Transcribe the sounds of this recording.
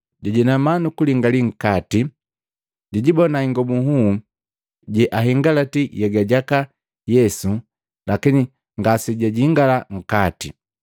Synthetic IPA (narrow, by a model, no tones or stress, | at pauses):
ɟaɟɛnamanukuliŋɡaliŋ̩kati | ɟɛɟibɔnaiŋɡɔbuɦu | ɟɛʔaɦiŋɡalatijɛɡaɟaka | jɛsu | lakini | ŋɡasiɟaɟiŋɡalaŋ̩kati